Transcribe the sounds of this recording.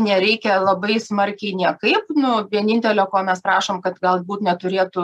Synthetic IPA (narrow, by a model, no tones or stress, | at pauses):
nʲɛɾʲɛɪkʲɛlˠɐbɐɪsmɐɾʲkʲɛɪnʲiɛkɐɪpnʊʋʲiɛnʲɪnʲt̪ʲɛlʲoːkoːmʲɛspɾɑːʃoːmkɐt̪ɡɐlˠbuːt̪nʲɛt̪ʊɾʲeːt̪ʊ